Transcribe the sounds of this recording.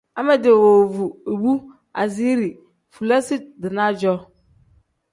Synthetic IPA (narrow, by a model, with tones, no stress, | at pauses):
a˦mɛ˦dɪ˨wɔ˨vu˨e˨bu˦ | a̰˨zi˦ɾi˨ | fu˨la˦si˦dɪ˨nã˦d͡ʒɔ˦